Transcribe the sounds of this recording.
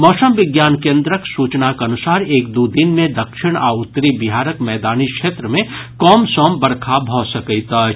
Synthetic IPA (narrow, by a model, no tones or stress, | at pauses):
mɔːsəmʋɪɡjaːnkẽːnd̪ɾəksuːt͡ʃnakɐnʊsaːɾeːkd̪uːd̪ɪnmẽd̪ɐkʃɪɽ̃aːʊt̪ːɾibɪɦaːɾəkmɛːd̪aːnikʃeːt̪ɾəmẽkɔːmsɔːmbɐɽkʰabʱɔsɐkəit̪a